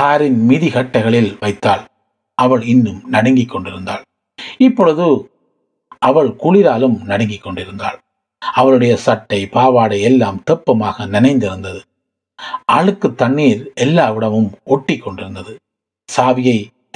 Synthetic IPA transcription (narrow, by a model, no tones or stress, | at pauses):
kaːɾɪnmɪðiɣɐʈːɐɪɣɐɭɪlʋɐɪt̪ːaːɭ | ʔɐʋɐɭɪnːɯmnɐɽɐŋɡɪkːɔɳɖɪɾɯnd̪a̰ːɭ | ɪpːɔɻɯðɯ | ʔɐʋɐɭkʊɭɪɾaːlɯmnɐɽɐŋɡɪkːɔɳɖɪɾɯnd̪a̰ːɭ | ʔɐʋɐɭɯɽɐjɐsɐʈːɐɪpaːʋaːɽɐɪɛlːaːmt̪ɛpːɐmaːɣɐnɪnɐɪnd̪ɪɾɯnd̪ɐðɯ | ʔaːɻɯkːɯt̪ːɐɳːiːɾɛlːaːʋɪɽɐʋɯmɔʈːɪkːɔɳɖɪɾɯnd̪ɐðɯ | saːʋɪjɐɪ